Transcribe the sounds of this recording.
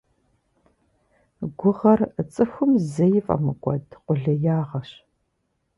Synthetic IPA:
ɡʷʊʁɐrət͡sʼɨxʷʊmzɐjɪfʼɐ̰mɨkʷʼɔdqʼʷʊɮɐjaːʁɐɕ

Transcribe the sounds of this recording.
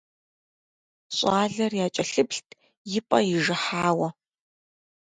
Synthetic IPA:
ɕʼaːɮɐrjaːt͡ʃʼɐɬɨpɬtʰ | jɪpʼɐjɪʒɐħaːwɐ

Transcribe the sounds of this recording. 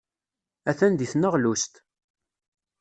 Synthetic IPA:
æθænd̪iθnəʁlust̪

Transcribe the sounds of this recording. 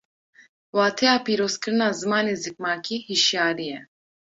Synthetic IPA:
waːt̪ʰeaːpiːɾoːskəɾnaːzɨmaːnezik̚maːkihiʃjaːɾijɛ

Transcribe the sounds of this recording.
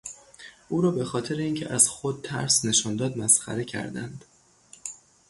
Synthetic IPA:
ʔuːɾɒːbe̞xɒːt̪ʰe̞ɾeiːŋcʰḛʔæzxod̪̚t̪ʰæ̰ɾsne̞ʃɒːnd̪ɒːd̪mæsxæ̰ɾe̞cʰæ̰ɾd̪æ̰nd̪

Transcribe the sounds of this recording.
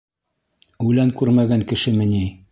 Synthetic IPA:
ʉlæŋkʉɾmæɡæŋkɘ̆ʃɘmɘ̆ni

